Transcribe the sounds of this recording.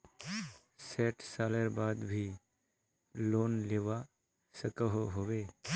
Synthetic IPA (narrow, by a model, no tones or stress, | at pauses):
seːʈsaːləɾbaːd̪bʱiː | loːnleːʋa | səkəɦoɦoʋeː